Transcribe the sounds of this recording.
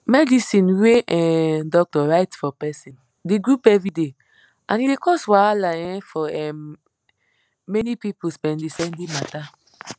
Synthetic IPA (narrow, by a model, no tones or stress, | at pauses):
mɛdisĩnweʔɛdɔk̚tɔɹaɪtfɔpɛsĩn | deɡɹupɛvɹide | ãnidekɔswalaɛ̃fɔɛm | ɛnipipuspɛ̃ndesɛ̃ndimata